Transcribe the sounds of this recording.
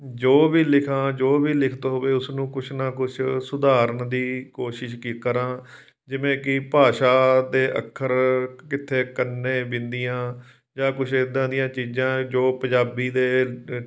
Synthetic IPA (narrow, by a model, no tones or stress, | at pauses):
d͡ʒoːʋiːlɪkʰãːd͡ʒoːʋiːlɪkʰt̪ːɦoːʋeːʊsnũːkʊt͡ʃʰnaːkʊt͡ʃʰsʊd̪aːɾənd̪iːkoːʃɪʃkiːkəɾãː | d͡ʒɪʋẽːkɪpaːʃaːd̪eːʔə̰kʰːəɾkɪt̪ʰeːkənːẽːbɪ̃nd̪ijãː | d͡ʒaːkʊt͡ʃʰɪd̪ãːd̪ɪjãːt͡ʃiːzãːd͡ʒoːpəɲd͡ʒaːbiːd̪eː